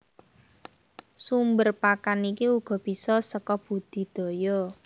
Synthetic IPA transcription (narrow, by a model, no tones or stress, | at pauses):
sumbərpakanikiuɡ̥ɔ̤b̥i̤sɔsəkɔb̥ṳd̪̥i̤d̪̥o̤jɔ